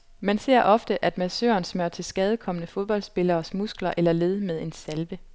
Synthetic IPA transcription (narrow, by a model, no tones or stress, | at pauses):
mænse̝̰ɐ̰ʔɒ̽fd̥əʔæd̥mæsø̰ːɐnsmøɐ̰t͡sʰe̝lsɡ̥ɛːð̞ˠəkʰɒ̽mənəfo̝ð̞ˠb̥ɒ̽l̰d̥sb̥e̝lɐːsmusɡ̥lɐʔelɐle̝ð̞ˠəmeð̞ˠe̝nsælʋə